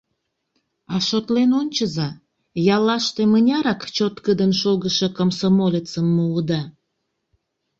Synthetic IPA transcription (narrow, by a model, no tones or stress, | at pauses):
ɑʃot̪lenonʲt͡ɕəzɑ | jɑlɑʃt̪emənʲɑɾɑkt͡ɕot̪kəd̪ənʃoɣəʃekomsomolʲet͡səmːəud̪ɑ